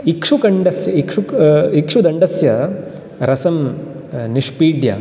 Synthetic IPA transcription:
ikʂukɐɳɖɐsjɐikʂuikʂud̪ɐɳɖɐsjɐ | ɾɐsɐm | niʂpiːɖjɐ̰

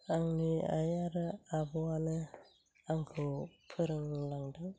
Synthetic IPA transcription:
aŋniajaɾɯabɔanɯ | aŋkʰɯpʰɯɾɯŋlaŋdɯŋ

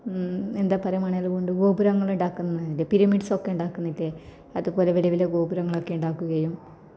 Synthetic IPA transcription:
end̪aːpːɐrɐjumɐɳɐjalkoɳɖɨɡo̞ːbuɾɐŋːɐɭuɳɖaːkːunːɐilepiɾɐmiɖso̞kːeuɳɖaːkːunːɐilːe | ɐðupo̞ːleʋilɐʋileɡo̞ːbuɾɐŋːɐɭo̞kːe̞uɳɖaːkːuɣɐjum

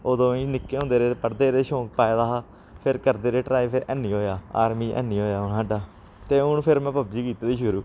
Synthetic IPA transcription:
oːd̪õːĩnɪkːeːɦõːnd̪eːɾeːpəɽd̪eːɾeːʃõːk̚paːed̪aːɦaː | pʰɪɾkəɾd̪eːɾeːʈɾaːipʰeɾʔɛːniːɦoːjaːa̰ːɾmiːʔɛ̰ːniːɦoːjaːʊnɦaːɖaː | t̪eːʊnpʰɪɾmɛ̃ːpəbd͡ʒiːkiːt̪aːd̪iːʃʊɾuː

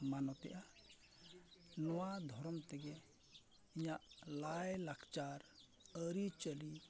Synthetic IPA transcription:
manɔt̪ɛ̰ʔa | nɔwad̪ʱɔɾɔmt̪ɛɡɛ | iɲaʔlajlakʰt͡ʃaɾ | əɾit͡ʃəli

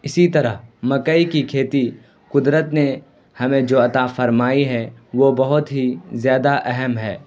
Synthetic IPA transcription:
ɪsit̪ɐɾəɦmɐkəikikʰeːt̪i | kʊd̪ɾət̪ne | hɐmẽd͡ʒoːɐt̪afɐɾmaːiɦɛʋobɐɦʊt̪ɦizjaːd̪aʔɛɦɛmɦɛ̰ː

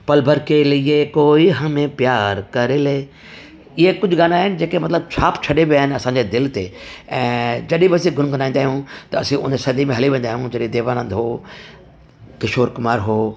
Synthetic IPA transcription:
pɐlbʱəɾkelɪekoːiɦɐmẽpjaːɾkɐɾeleː | ɪɦekʊd͡ʑʱʊɡaːnaːɦɪnɪ̆d͡ʑeːkemɐt̪ləb̚t͡ɕʰaːpt͡ɕʰɐɗebiaːɦɪnɪɐsãːɲd͡ʑed̪ɪlt̪eːɛ̃ːd͡ʑɐɗĩbɐsĩɡʱʊnkɐnaːĩːnd̪aːɦijũt̪ɐɐ̰sĩʔʊ̰nsɐd̪imẽɦɐliʋẽːnd̪aːɦijũd͡ʑɐɗĩd̪eːʋaːnə̃ːnd̪ɦoː | kɪʃoːɾkʊmaːɾɦoː

